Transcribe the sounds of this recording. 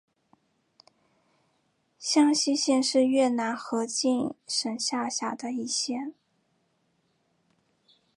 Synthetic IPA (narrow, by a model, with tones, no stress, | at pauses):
ɕjɑ˥ŋɕi˥ɕjɛ˥˧nʂɻ̩˥˧ɥɛ˥˩na˧˥nxɤ˧˥t͡ɕi˥˩nʂə˨˩nɕja˥˧ɕja˨˩d̪ə˦i˥˩˧ɕjɛ˥˩n